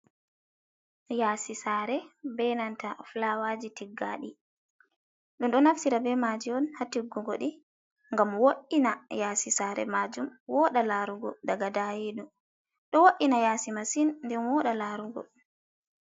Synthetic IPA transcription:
jaːsisaːɾɛbɛnantaflawad͡ʒitiɡːaɗi | ɗunɗɔnaftiɾabɛmad͡ʒiɔnhatiɡːuɡoɗi | ŋɡamwoʔːinajaːsisaːɾɛ̰mad͡ʒumwɔɗalaɾuɡɔdaɡadajidu | ɗɔwoʔinajasimasinndɛnwɔɗalaɾuɡɔ̰

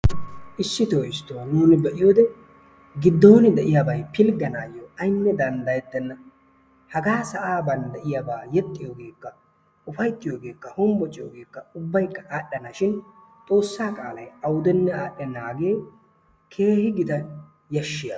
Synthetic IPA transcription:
ʔɪsːɪt̪oːɪst̪ːonuːnɪbɛʔɪjoːd̪ɛ | ɡɪd̪ːo̞ːnɪd̪ɛʔɪjabɐjpɪlɡɐnaːjoɐjnːɛd̪ɐnd̪ɐjɛt̪ːɛnːɐ | hɐɡaːsɐʔaːbɐnd̪ɛʔɪjabaːjɛt̪ʼːɪjo̞ːɡe̞ːkːɐ | ʊfɐjt̪ːɪjo̞ːɡe̞ːkːɐhʊmbɔt͡ʃʼɪjo̰ːɡe̞ːkːɐʊbːɐjkːɐ̥ʔaːɗːɐnɐʃɪn | t̪ʼo̞ːsːaːkʼaːlɐjɐwʊd̪ɛnːɛaːɗɛnaːɡe̞ː | kʰe̞ːhɪɡɪd̪ɐ | jɐʃːɪja

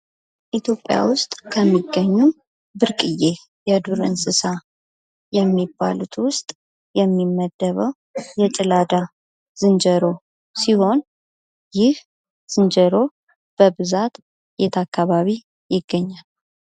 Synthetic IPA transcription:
ʔit̪ʰjo̞pʼːja̰wʊst̪ʼkʰəmːiɡːəɲːu | bɨɾkʼɨje | jɛd̪uɾɨ̰nsɨsa | jɛmːibːa̰lut̪ʰwʊst̪ʼ | jɛmːimːəd̪̥ːəβəw | jɛt͡ʃʼɨlad̪a | z̥ɨnd͡ʒəɾo̞ | siho̞n | jɪh | z̥ɨnd͡ʒəɾo̞ | b̥əβɨzat̪ | jet̪ʰakːaβaβi | jɪɡːəɲːal

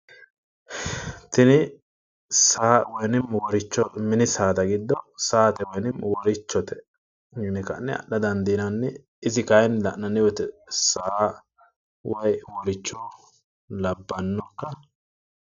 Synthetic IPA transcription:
t̪ɪnɪ | saːwɔjnɪmwɔɾɪt͡ʃːɔmɪnɪsaːt̪ɐɡɪd̪ːɔsaːt̪ɛwɔjnɪmwɔɾɪt͡ʃːɔt̪ɛ̥ | mɪnɪkɐ̰nːɛ̰ɐ̰ɗɐd̪ɐnd̪inɐnːɛ | ɪzɪkɐjnlɐʔnɐnːɪwɔt̪ɛsaː | wɐjwɔɾɪt͡ʃːɔ | lɐbːɐnːɔkːɐ

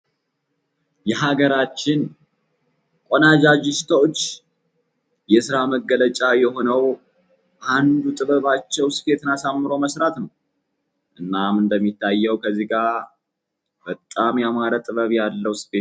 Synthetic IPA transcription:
jɛɦaɡəɾat͡ʃːɪn | kʼonad͡ʒad͡ʒɪst̪ʰot͡ʃː | jɛsɨɾaməɡːələt͡ʃʼajɛɦo̞nəw | ʔand̪ut̪ʼɨβəβat͡ʃːɛwsɨ̥fe̞t̪ɨnasamːɨɾo̞məsɾat̪nəw | ʔɨnːamɨnd̪əmːit̪ʰːajːɛwkʰəzːiɡa | bət̪ʼːamjamaɾət̪ʼɨβəβjalːəwsfe

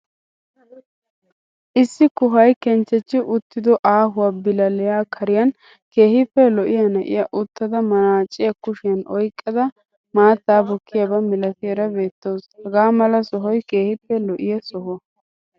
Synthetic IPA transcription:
ʔɪsːɪkʊɦɐjkɛnt͡ʃːɛt͡ʃːɪʔʊt̪ːɪd̪ɔʔaːɦʊwaːbɪlɐlɛjaːkʰɐɾɪjɐn | ke̞ːhɪpːɛlɔʔɪjɐnɐʔɪ̰jɐʔʊt̪ːɐd̪ɐmɐnaːt͡ʃʼːɪjɐkʊʃɪjɐnɔjkʼːɐd̪ɐ | maːt̪ːaːbɔkʰːɪjɐbɐmɪlɐt̪ɪɛɾɐbe̞ːt̪ːoːshɐɡaːmɐlɐsɔɦɔjke̞ːhɪpːɛlɔʔɪjɐsɔɦɔ

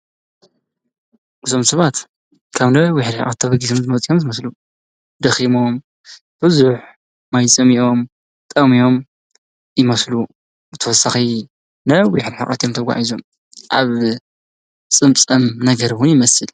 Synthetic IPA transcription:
ʔɨt̪ʰo̞msɐβat̪ | kʰaβnɐwɪħd̪ħa̰ʔʼɐ̰t̪ʰːɐβɐɡisomzɨmɐt͡sʼijo̞mzɨmɐslu | d̪ɐximom | b̥ɨzuħ | majt͡sʼɐmiʔo̞m | t̪ʼɐmijo̞m | jɪmɐslu | bɨt̪ʰɐwɔsaxi | nɐwʊħd̪ħa̰χʼɐ̰t̪ʰjomt̪ʰɐɡʷa̰ʕizom | ʔaβ | t͡sʼɨmt͡sʼɐmnɐɡɐɾwʊnjɪmɐsɨl

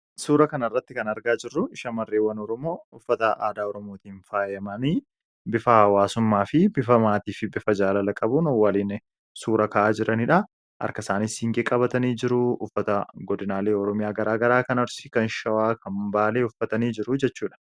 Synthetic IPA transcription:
suːɾɐkɐnɐrːɐt̪ːɪkɐnɐɾɡaːd͡ʒɪrːʊɪʃɐmɐrːeːwːɐnɔɾɔmo̞ːʊfːɐt̪ɐʔaːd̪aːɔɾɔmoːt̪iːnfaːjɐmɐni | bɪfɐhɐwaːsʊmːaːfɪbɪfɐmaːt̪iːfɪbɪfɐd͡ʒaːlɐlɐkʼɐbuːnɔwːɐliːn | suːɾɐkɐʔaːd͡ʒɪɾɐnɪᶑɐ | ʔɐ̰ɾkɐsaːnishɪŋɡeːkʼɐbɐt̪ɐniːd͡ʒɪɾʊʊfːɐt̪ɐɡɔd̪ɪnaːleːɔɾɔmɪjaːɡɐɾaːɡɐɾaːkɐnɐɾsɪkɐnʃɐwaːkʰɐmbaːleːʊfːɐt̪ɐniːd͡ʒɪɾʊd͡ʒɛt͡ʃːuːᶑɐ̥

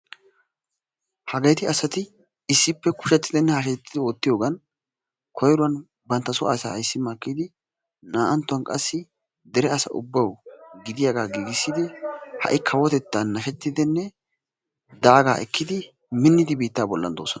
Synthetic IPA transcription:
hɐɡɐjt̪ɪɐsɐt̪ɪ | ɪsːɪpːɛkʊ̥ʃɐt̪ːɪd̪ɪnːɛhɐʃ̬ɛt̪ːɪd̪ɪɔt̪ːɪjo̞ːɡɐn | kʰɔjɾʊwɐn | bɐnt̪ːɐsʊʔasa̰ːjsːɪmakːid̪ɪ | naːʔɐnt̪ːʊɐnkʼɐsːɪ | d̪ɛɾɛɐsɐ̰ʔʊ̰bːɐwɡɪd̪ɪjaɡaːɡiːɡɪsːɪd̪ɪhɐ̰ʔɪkʰɐwɔt̪ɛt̪ːɐnːɐʃɛt̪ːɪd̪ɪnːɛ | d̪aːɡaːʔɛkʰːɪd̪ɪ | mɪnːɪd̪ɪbiːt̪ːaːbɔlːɐ̰nd̪oːsɔnɐ

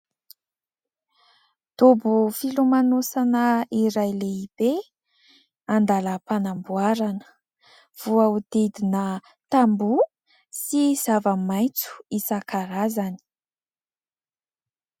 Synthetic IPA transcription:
d̪̥obufilumanosanəiɾajleib̥e | and̪aləpanambuaɾanə̥ | v̥uaud̪id̪inə | t̪ambu | siz̥avəmajt͡su̥isakaɾazani̥

